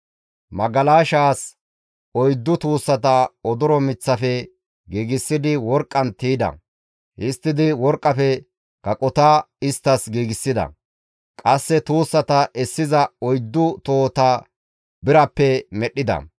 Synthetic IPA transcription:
mɐɡɐlaːʃaːs | ɔjd̪ːʊt̪uːsːɐt̪ɐɔd̪ɔɾɔmɪt͡sːɐfɛ | ɡiːɡɪsːɪd̪ɪwɔɾkʼːɐnt̪iːd̪ɐ̰ | hɪst̪ːɪd̪ɪwɔɾkʼːɐfɛ | kɐkʼɔt̪aːɪst̪ːɐsɡiːɡɪsːɪd̪ɐ̰ | kʼɐsːɛt̪uːsːɐt̪ɐʔɛsːɪzɐɔjd̪ːʊt̪oːt̪a | bɪɾɐpːɛmɛɗːɪd̪ɐ̰

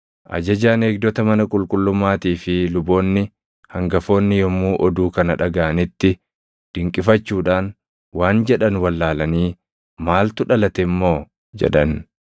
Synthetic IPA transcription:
ʔɐ̰d͡ʒɐd͡ʒaːne̞ːɡ̚d̪ɔt̪ɐmɐnɐkʼʊlkʼʊlːʊmːaːt̪iːfɪlʊbo̞ːnːɪ | hɐŋɡɐfo̞ːnːɪjɔmːuːʔɔd̪uːkɐnɐᶑɐɡaʔɐnɪt̪ːɪ | d̪̥ɪŋkʼɪfɐt͡ʃːuːᶑaːn | waːnd͡ʒɛᶑɐnwɐlːaːlɐniː | maːlt̪ʊᶑɐlɐt̪ɛmːo̞ː | d͡ʒɛ̰ᶑɐn

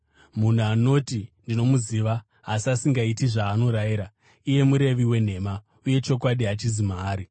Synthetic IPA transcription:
mun̤uano̞tindino̞muziːʋa | ɦasasiŋɡaitiʐaːno̞ɾajiɾa | ije̞muɾe̞ʋiwe̞n̤e̞ma | uje̞t͡ʃo̞kwaɗiɦat͡ʃizimaːɾi

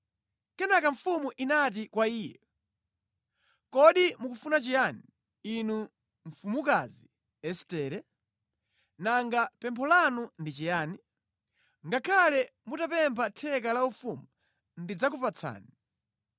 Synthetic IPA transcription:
kɛnakaɱfumuʔinat̬ikwaiːjɛ | kɔɗimukufunat͡ʃijani | inu | ɱfumukazi | ɛstɛːɾɛ | naŋɡapɛmpʰɔlanundit͡ʃɛjaːni | ŋɡakʰalɛ | mutapɛmpʰatʰɛkalaufumu | ndid͡zak̬upat͡sʰa̰ːni

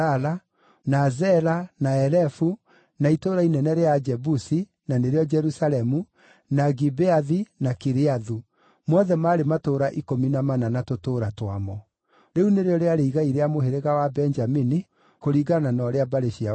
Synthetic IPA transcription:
ala | nazɛlanaɛɾɛfu | naitoːɾainɛnɛɾead͡ʒɛbusi | naneɾejɔd͡ʒɛɾusalɛmu | naɡibeaðinakiɾeaðu | mwɔðɛmaːɾematoːɾaʔikominamananatotoːɾatwamɔ | ɾeuneɾeɔɾeaɾeiɣaiɾeamoheɾeɣawabɛnd͡ʒamini | koɾiːɡananɔɾeabaɾeʃia

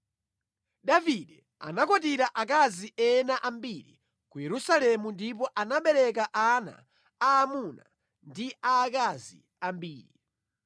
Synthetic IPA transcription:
ɗaviɗɛ | a̰nakɔt̬iɾaʔak̬aziʔɛnaʔambiɾḭ | kujɛɾusalɛmundipɔʔanaɓɛɾɛkaʔana̰ː | muna̰ | ndiaːkazḭ | ambiːɾi

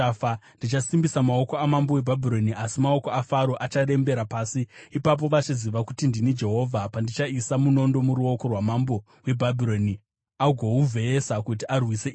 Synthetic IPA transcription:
andit͡ʃasimbisamao̞ko̞amambo̞we̞bʱabʱiɾo̞niʔasimao̞ko̞afaɾo̞ʔat͡ʃaɗe̞mbe̞ɾapaːsiipap̬o̞ʋat͡ʃiziʋakutindinid͡ʒe̞ɦo̞ːvʱapandit͡ʃaisamuno̞ndo̞muɾuo̞ko̞rwamambo | we̞bʱabʱiɾo̞ni | aɡʱo̞uvʱe̞esakut̬iʔarwise

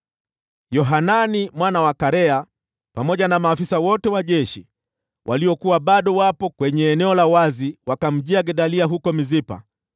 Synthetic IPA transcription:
jɔɦananimwanawakaɾɛa | pamɔʄanamaːfisawɔtɛwaʄɛʃi | wʔa̰liɔkuwaɓaɗɔwapɔkwɛɲɛːnɛɔlawaziwakam̩ʄiaɡɛɗaliaɦukɔmizipa̰

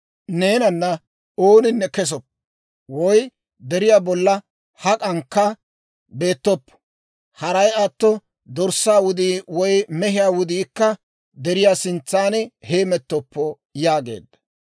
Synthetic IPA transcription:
ne̞ːnɐnːɐ | oːnɪnːɛkɛs̬ɔpː | wɔj | d̪ɛɾɪjaːbɔlːɐ | hɐkʼɐŋkːɐ | be̞ːt̪ːɔpːɔ̥ | hɐɾɐjɐt̪ːɔ | d̪ɔɾsːaːwʊd̪iːwɔjmɛɦɪjaːwʊd̪iːkːɐ | d̪ɛɾɪjaːsɪnt͡sːaːnheːmɛt̪ːɔpːɔ | jaːɡe̞̰ːd̪ɐ̥

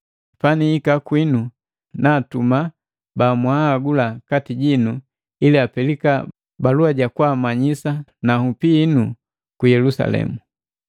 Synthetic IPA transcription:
panihikakwinu | natuma | baːmwahːɡulakatiɟinu | iliapɛlika | baluaɟakwamaɲisanahupiːnu | kujɛlusa̰lɛ̰mu

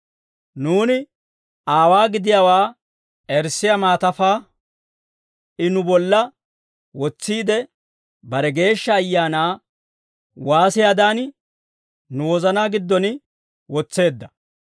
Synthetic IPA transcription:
nuːnɪ | aːwaːɡɪd̪ɪjaːwaː | ʔɛɾsɪjamaːt̪ɐfaː | ʔɪnʊbɔlːɐ | wɔt͡sːiːd̪ɛ | bɐɾɛɡe̞ːʃːɐːjːaːnaː | waːsɪjad̪aːn | nʊwɔzɐnaːɡɪd̪ːɔnɪ | wɔt͡sːe̞ːd̪ːɐ

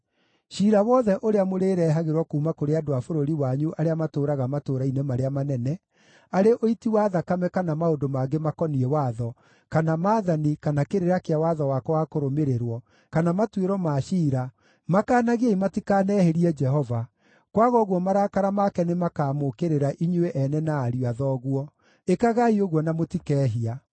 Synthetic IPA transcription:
ʃiːɾawɔðɛʔoɾeamoɾeɾɛːɦaɣeɾwɔkuːmakoɾeadoafoɾoɾiwaɲuʔaɾeamatoːɾaɣamatoːɾainemaɾeamanɛnɛ | aɾeʔoitiwaːðakamɛkanamaodomaɡemakɔniɛwaːðɔ | kanamaːðanikanakeɾeɾakeawaðɔwakɔwakoɾomeɾeɾwɔ | kanamatweɾɔmaʃiːɾa | makaːnaɣeaimatikaːnɛːheɾiɛd͡ʒɛɦɔva | kwaɣɔɣwɔmaɾakaɾamakɛnemakaːmokeɾeɾaʔiɲweʔɛnɛnaːɾiaðɔːɣwɔ | ekaɣaioɣwɔnamotikɛːɦia

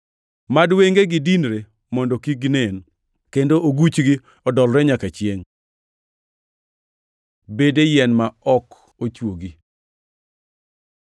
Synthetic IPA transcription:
madweŋɡeɡɪdinɾe | mɔndɔkiɡnen | kendooɡut͡ʃɡi | ɔdɔlɾɛɲakat͡ʃɪeŋ | bedejɛnmaɔk | ot͡ʃwoɡi

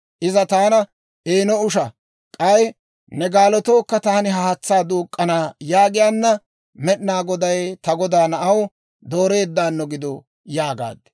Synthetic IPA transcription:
ʔɪzɐt̪aːnɐ | ʔeːnɔʊʃɐ | kʼɐj | nɛɡaːlɔt̪oːkːɐt̪aːnɪɦɐhɐt͡sːaːd̪uːkʼːɐnaːjaːɡɪjaːnːɐ | mɛɗnaːɡɔd̪ɐjt̪ɐɡɔd̪aːnɐʔɐw | d̪o̞ːɾe̞ːd̪ːaːnːɔɡɪd̪ɔ | jaːɡa̰ːd̪ːɛ̥

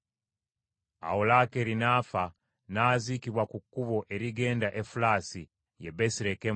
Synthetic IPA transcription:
a̰olakeɾinaːfa | naːzikiβwakukːuβoʔeɾiɡe̞ːndaʔefulaːsi | jebesiɾeke

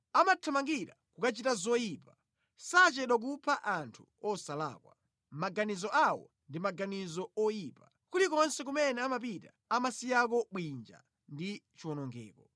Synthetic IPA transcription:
amatʰamaŋɡiɾakukat͡ʃitazɔjipa | sat͡ʃɛɗwak̬upʰaʔantʰu̥ɔsala̰ːkwa̰ | maɡanizɔʔawɔ̰ | ndimaɡanizɔɔjiːpḁ | kulikɔnsɛk̬umɛnɛamap̬ita | amasijak̬ɔɓwind͡ʒa̰ | ndit͡ʃiwɔnɔŋɡɛ̰ːkɔ

